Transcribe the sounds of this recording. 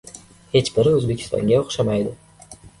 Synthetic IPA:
he̞t͡ʃbɪɾɪɵzbe̞kʲʰɪ̥st̪ʰɒ̰ŋɡʲaoχʃamajd̪ɪ

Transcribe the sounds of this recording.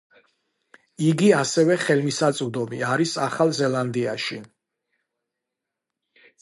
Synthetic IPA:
iɡiasɛvɛχɛlmisat̪sʼuvd̪ɔmiaɾisaχalˠzɛlˠand̪iaʃi

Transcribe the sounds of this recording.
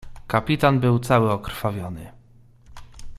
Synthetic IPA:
kapʲit̪anbɘwt̪sawɘɔkɾfavʲjɔnɘ̰

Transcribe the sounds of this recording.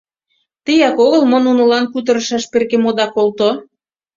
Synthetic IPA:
t̪əjɑkoɣəlmonunə̆lɑnkut̪̬ə̆ɾə̆ʃɑʃperkemod̪ɑkolt̪o

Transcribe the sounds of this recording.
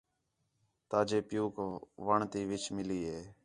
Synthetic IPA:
t̪aːd͡ʒeːpɪjuːkʋaɳt̪iːʋɪt͡ʃmɪliːɦeː

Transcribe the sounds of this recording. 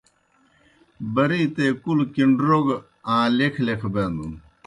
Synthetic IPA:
bɐɾiːt̪ekulkiɳɖɾoɡ | ãːlekʰlekʰbeːnd̪un

